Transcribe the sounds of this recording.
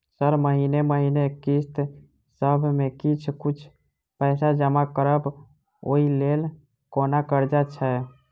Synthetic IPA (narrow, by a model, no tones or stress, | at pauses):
səɾməɦineməɦinekist̪ | səbʱmekit͡ʃʰkut͡ʃʰ | pəɪsad͡ʒəmakəɾəb | oilel | konakəɾd͡ʒat͡ʃʰɛ